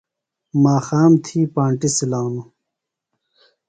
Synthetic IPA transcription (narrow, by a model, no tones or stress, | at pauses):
maːxaːmt̪ʰiːpaːɳʈisilaːnu